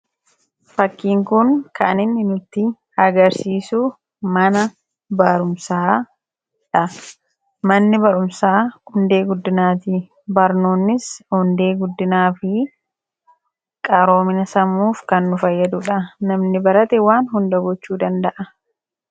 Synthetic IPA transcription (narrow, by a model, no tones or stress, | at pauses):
fɐkːiːŋkʊŋkɐʔɐnɪnːɪnʊt̪ːɪ | ɐɡɐɾsiːsʊ | mɐnɐ | bɐɾʊmsaː | ᶑɐ | mɐnːɪbɐɾʊmsaːhʊnd̪e̞ːɡʊd̪ːɪnaːt̪ɪ | bɐɾnoːnːɪshʊnd̪e̞ːɡʊd̪ːɪnaːfɪ | kʼɐɾo̞ːmɪnɐsɐmːuːfkɐnːʊfɐjːɐd̪ʊᶑɐnɐmnɪbɐɾɐt̪ɛwaːnhʊnd̪ɐɡɔt͡ʃːuːd̪ɐnd̪ɐʔɐ